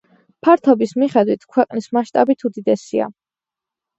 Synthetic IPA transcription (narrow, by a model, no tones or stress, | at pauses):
pʰaɾt̪ʰɔbismiχɛd̪wit̪ʰkʰwɛqʼnismaʃt̪ʼabit̪ʰud̪id̪ɛsia̰